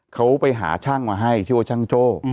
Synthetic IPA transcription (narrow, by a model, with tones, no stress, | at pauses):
kʰa˦˥wpa˨˧jɦa̰ː˨˩˦t͡ɕʰa˥˩ŋmaː˧ɦa˧˥˩jt̪ʰiː˧˩waː˧˩t͡ɕʰa˧˥˩ŋt͡ɕoː˧˩